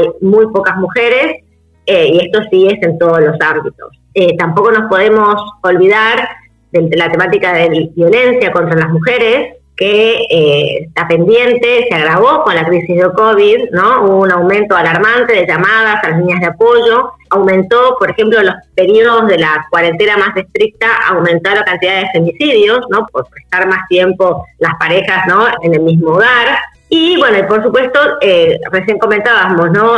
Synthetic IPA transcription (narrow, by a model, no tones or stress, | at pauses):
ajmujpo̞kazmuxeɾe̞s | eie̞st̪o̞sie̞se̞nt̪o̞ð̞ozlo̞sambit̪o̞̰s | et̪ampo̞ko̞no̞spo̞ð̞e̞mo̞so̞lβiðaɾ | ðelat̪e̞mat̪ikaðeβjo̞le̞nsjako̞nt̪ɾalazmuxeɾes | keest̪ape̞nd̪je̞nt̪eseaɣ̞ɾaβ̞o̞ko̞nlakɾisizðelkoβ̞iðnounawmẽ̞nt̪oalaɾmant̪eðeʒamað̞asalasliɲazð̞eapo̞ʒo̞awmẽ̞nt̪opoɾexe̞mplolo̞spe̞ɾioðozðe̞lakwaɾe̞nt̪enamase̞st̪ɾik̚t̪aʔawmẽ̞nt̪olakant̪iðaðefe̞misiðjo̞sno̞poɾpɾesst̪aɾmast̪je̞mpo̞laspaɾexasno̞ene̞lmizmoːɣaɾ | iβwe̞noipo̞ɾsupwe̞st̪o̞eresje̞ŋko̞ment̪aβamosno